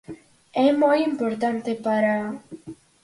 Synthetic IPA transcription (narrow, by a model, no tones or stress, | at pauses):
ɛmojimpoɾt̪ant̪epaɾa